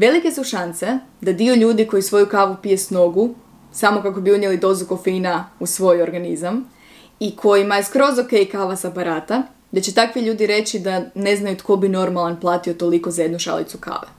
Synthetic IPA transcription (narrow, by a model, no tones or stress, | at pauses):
ʋe̞like̞suʃansed̪ad̪ioʎuːd̪iko̞jisʋo̞jukaːʋupije̞sno̞ɡu | samo̞kakobiud̪jelid̪o̞zuko̞finausʋo̞jo̞ɾɡanizam | ikʰo̞jimajeskɾo̞zoke̞ikaːʋasapaɾaːt̪a | d̪at͡ɕe̞t̪akʋiʎuːd̪iɾe̞t͡ɕid̪ane̞znajut̪kʰo̞bino̞ɾmalˠanplˠaːt̪io̞t̪o̞liko̞zaje̞d̪nuʃa̰lḭt̪suka̰ːʋe